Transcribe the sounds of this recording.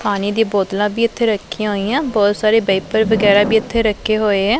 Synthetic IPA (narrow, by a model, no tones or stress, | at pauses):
paːñiːd̪iːbɔːt̪lãːbiːɪt̪ʰːeːɾəkʰːiãːɦoːiːjãːbɔːt̪saːɾeːbəiːpəɾʋəɡɛːɾaːbiːɪt̪ʰːeːɾəkʰːeːɦoːeːɦɛː